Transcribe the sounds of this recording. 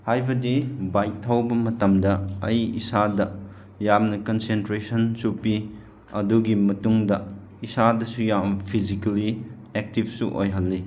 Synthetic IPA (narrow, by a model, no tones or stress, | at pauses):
hajbɐdibajtʰːawbɐmɐtɐmdɐɐjḭsadɐ | jamnɐkonsentɾesɐnsupi | ɐduɡimɐtuŋdɐ | isadɐsujampʰizikɐli | ek̚tibsuʔo̰jɦɐlːi